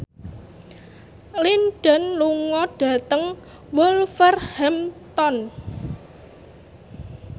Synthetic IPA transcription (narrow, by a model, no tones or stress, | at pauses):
linɖ̥a̤nluŋɔɖ̥ä̤t̪əŋ | wʊlfərhɛmt̪ɔn